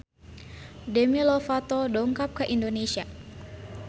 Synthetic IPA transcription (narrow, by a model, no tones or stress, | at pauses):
dəmilɔfat̪ɔdɔŋkap̚kəʔindonesia